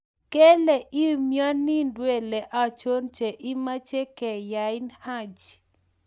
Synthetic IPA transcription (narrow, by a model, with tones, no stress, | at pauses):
ke˦lɛ˨ʔi˦mjɔ˦nːi˦ndwe˦lɛ˨ʔa˨t͡ʃo˦nt͡ʃe˨ʔi˦ma˦t͡ʃɛ˦kɛ˨ja˨ɪ˦nha˦˨d͡ʒ